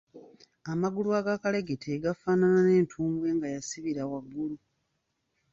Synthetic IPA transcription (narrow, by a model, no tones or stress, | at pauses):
amaɡulwaːɡakale̞ɡetʰeɡafaːnanane̞ːntʰuːmbwe̞ːŋɡajasiβiɾawaɡːulu